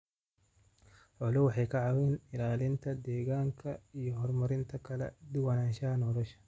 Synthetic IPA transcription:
ħɔlʊwɑħɑjkʰɐʕɑwinɪlaːlɪnt̪ʰɐd̪ɛːɣaːŋkʰɐijɔɦɔrmɐɾɪnt̪ʰɐkʰɐlɛ̰d̪ʊwɐnaːnʃɐɦɐnɔlɔʃɐ̥

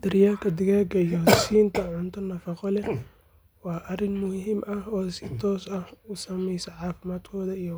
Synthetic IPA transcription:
d̪̥ɪɾɪjaːlkʰɐd̪ɪɣɛːɡɐijɔsiːnt̪ʰɐʕʊnt̪ʰɐnɐfɑqɔlɛ | wɑːʔɐrɪnmʊhɦɪmʔɐhɔːsɪt̪ʰɔːsɐhʊsɐmɛjsɐʕaːfɪmaːd̪kʰɔːðɐij

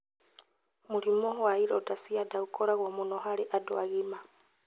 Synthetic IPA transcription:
muɾimoɦwaiɾotasiadaɣukoɾaɣwomunoɦaɾeʔadoa̰ɣima

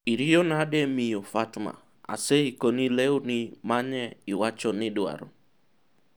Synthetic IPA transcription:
iɾijonademijofatma̰ | a̰seikonileonimaɲɛɪwat͡ʃɔnɪdwa̰ɾɔ̰

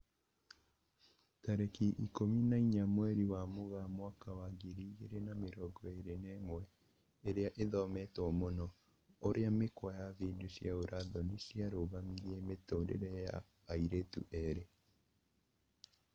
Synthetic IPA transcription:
taɾekiʔikominaiɲamwɛɾiwamoɣamwakawaɡiɾiɣeɾenameɾɔɡɔeɾenɛmwɛ | eɾeaʔeðɔmɛtɔmonɔ | oɾeamekwajaðiːndusjaoɾaðɔnisiaɾoɣamiɾiɛmetoːdḛɾɛja̰ː | iɾetṵʔɛɾe

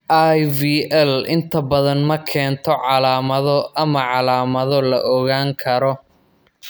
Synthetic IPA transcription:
ʔajviːʔɛlɪnt̪ʰɐbɐðɐnmɐkʰɛːnt̪ʰɔʕɑlaːmɐðɔʔɐmɐʕɑlaːmɐðɔlɐ̰ʔɔɣaːŋkʰɐɾɔ

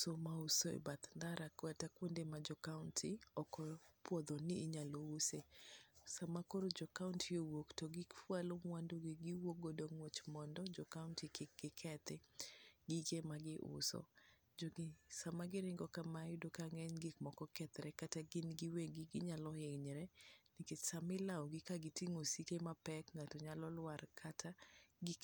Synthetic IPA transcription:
somausoḛbat̪nd̪aɾakwɛtakwondemad͡ʒɔkaʊntʰiɔkɔpwɔd̪ɔnɪːɲalousesamakoɾod͡ʒɔkauntʰɪowoktoɡikfwalomwandoɡɪɡɪwoɡodoŋwot͡ʃmɔndɔd͡ʒɔkaʊntikɪɡɪkʰɛt̪ɪɡikemaɡɪʔʊ̰sɔ̰ | d͡ʒoɡsamaɡɪɾɪŋɡɔkamajdokaŋɛɲɡɪkmɔkɔkɛt̪ɾɛkataɡɪnɡɪweɡɪɡɪɲalɔheŋɲɾɛniket͡ʃsamɪlawɡɪkaɡɪtiŋosikemapɛkŋatɔɲalɔlwarkʰataɡɪ

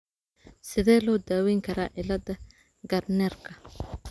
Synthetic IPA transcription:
sɪðɛːlɔːd̪aːwɛːŋkʰɐɾaːʔɪlɐd̪ɐ | ɡɐrnɛːrkʰɐ

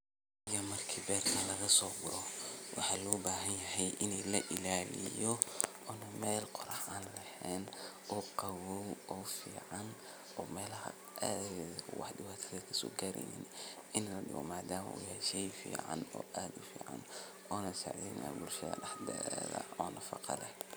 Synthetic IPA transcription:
jɐmɐrkʰiːbɛːrkʰɐlɐɣɐsɔːɡʊɾɔwʔɑ̰ħɑːlɔːbaːɦɐnjɐɦɛjʔɪnɛjlɐʔɪlaːlɪ̰jɔ | ɔnɐmɛːlqɔɾɑħaːnlɛhɛːn | ɔːqɑwɔwɔfiːʕɑn | ɔːmɛːlɐhɐ̰ | ʔaːðɣɛðkʰʊwɑ̰ħɖɪwaːt̪ʰɐðɐkʰɐsɔ̰ːɡaːɾɛ̰jnɪ̰nɪnlɐɗɪ̰wɔ̰maːd̪aːmɐ̰ʔʊjɛʃɛjfḭːʕɑ̰nɔ̰ːʔaːd̪ʊfḭːʕɑ̰n | ɔːnɐsa̰ʕd̪ḭna̰bʊlʃɐðɐ̰ɖɑħd̪ɛ̰ːðɐ̰ɔːnʔɐfɑ̰qɑ̰lɛ

